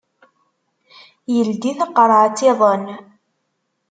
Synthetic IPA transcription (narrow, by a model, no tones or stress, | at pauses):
jəld̪iθəqːɾˤʕt͡sːiðˤən